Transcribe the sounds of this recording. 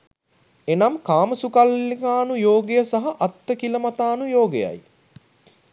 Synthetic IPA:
enamkaːməsukalːikaːnujoːɡejəsɐɦɐʔɐt̪ːəkiləmɐt̪aːnujoːɡeja̰j

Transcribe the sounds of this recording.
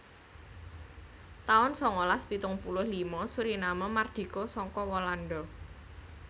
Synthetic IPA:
t̪aʊnsɔŋolaspit̪ʊŋpulʊhlimɔsuɾinaməmard̪̥i̤kosɔŋkɔwɔlanɖɔ

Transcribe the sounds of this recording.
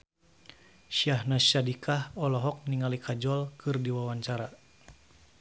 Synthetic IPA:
ʃiahnaʃadikʰahɔlɔɦɔk̚niŋalikʰad͡ʒɔlkɨrdiwawaɲt͡ʃaɾa

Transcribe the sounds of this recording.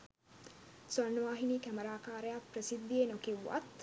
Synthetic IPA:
sɐnːuʋaːɦiniːkɐmɐɾaːkaːɾeapɾɐsid̪ːieːnokiwːa̰t̪ː

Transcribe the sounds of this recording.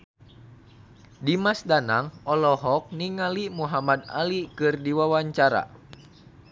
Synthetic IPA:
dimasdana̰ŋɔlɔɦɔk̚niŋalimuɦamad̪a̰likɨrdiwawaɲt͡ʃaɾa̰

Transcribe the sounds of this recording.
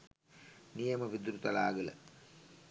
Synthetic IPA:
nijɐməʋid̪uɾut̪ɐlaːɡələ̰

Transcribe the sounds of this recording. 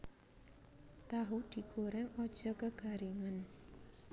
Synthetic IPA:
t̪aɦud̪̥i̤ɡ̥oɾɛŋɔd̥ʒ̥ɔ̤kəɡ̥a̤ɾiŋən

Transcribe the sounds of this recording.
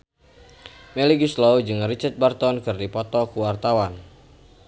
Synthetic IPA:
meliɡuslɔwd͡ʒɨŋrit͡ʃat̪̚bart̪ɔnkɨrdipɔt̪ɔkuwart̪awan

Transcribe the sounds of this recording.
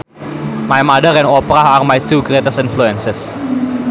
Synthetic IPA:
majmadəɾɛ̃nɔpɾaarmajt̪uɡɾet̪əstinfluɛ̃nsɛs

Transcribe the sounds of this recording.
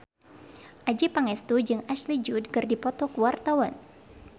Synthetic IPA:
ʔad͡ʒipaŋɛst̪ud͡ʒɨŋaʃlid͡ʒudkɨrdipɔt̪ɔkəwart̪awan

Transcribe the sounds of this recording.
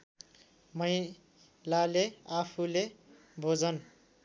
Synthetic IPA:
mʌj | laleapʰule | bʱod͡zʌn

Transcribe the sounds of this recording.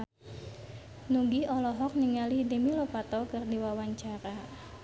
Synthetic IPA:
nuɡiɔlɔɦɔk̚niŋalihdəmilɔpat̪ɔkɨrdiwawaɲt͡ʃaɾa

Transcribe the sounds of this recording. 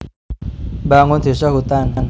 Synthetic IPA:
baŋʊnd̪̥e̤saɦut̪anan

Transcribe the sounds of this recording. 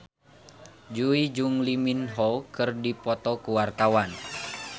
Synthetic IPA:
d͡ʒuid͡ʒuŋliminɦɔlkɨrdipɔt̪ɔkuwart̪awan

